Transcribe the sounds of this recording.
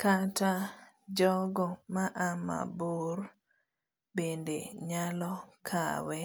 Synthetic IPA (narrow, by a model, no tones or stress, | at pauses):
kata | d͡ʒɔɡɔmaʔama̰buɾ | bendḛɲalɔkʰa̰wɛ